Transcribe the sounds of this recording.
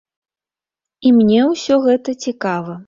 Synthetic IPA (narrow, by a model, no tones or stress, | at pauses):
imnʲɛwsʲɔɣɛt̪ɐt͡sʲikavɐ